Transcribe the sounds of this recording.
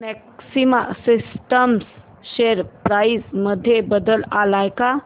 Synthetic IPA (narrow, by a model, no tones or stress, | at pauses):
mɛksimasisʈəms | ɕeɾpɾaisməd̪ʱːjebəd̪əlalajka